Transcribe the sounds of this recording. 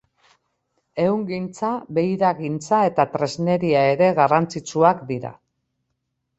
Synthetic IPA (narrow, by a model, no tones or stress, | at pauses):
e̞wŋɡint͡saβe̞jɾaɣint͡sae̞t̪at̪ɾe̞zne̞ɾiae̞ɾe̞ɣarant͡sit͡suakd̪iɾa̰